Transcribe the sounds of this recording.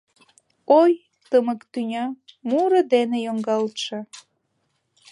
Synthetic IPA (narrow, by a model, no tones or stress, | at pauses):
oj | t̪əməkt̪ynʲɑmuɾə̆d̪enejoŋɡɑlt̪ʃĕ